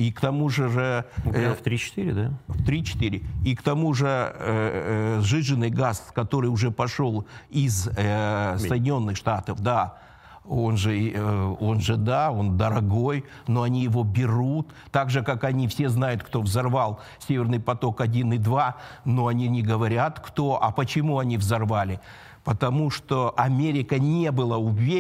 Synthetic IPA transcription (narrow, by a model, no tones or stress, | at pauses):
ikt̪ɐmuʐɨʐɨft̪ɾʲit͡ɕɪ̥t̪iɾʲɪd̪aft̪ɾʲit͡ɕɪ̥t̪iɾʲɪikt̪ɐmuʐɨ | ʐɨʐɨnːɨjɡaskɐt̪o̞ɾɨjʊʐɛpɐʂo̞lˠɪz | ssəjdʲɪnʲo̞nːɨxʂt̪at̪əfd̪a | o̞nʐɨ | o̞nʐɨd̪ao̞nd̪əɾɐɡo̞j | no̞ɐnʲijɪvo̞bʲɪɾut̪ːaɡʐɨkakɐnʲifsʲe̞znajʊt̪kt̪o̞vzɐrvalˠ | sʲevʲɪrnɨjpɐt̪o̞kɐdʲinɨd̪vano̞ɐnʲinʲɪɡəvɐɾʲat̪kt̪o̞ʔɐpət͡ɕɪmuɐnʲivzɐrvalʲɪ | pət̪ɐmuʂt̪o̞ʔɐmʲeɾʲɪkənʲe̞bɨlˠəʊvʲe